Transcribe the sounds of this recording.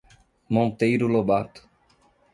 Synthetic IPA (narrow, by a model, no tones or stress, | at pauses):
mont̪ejɾulobat̪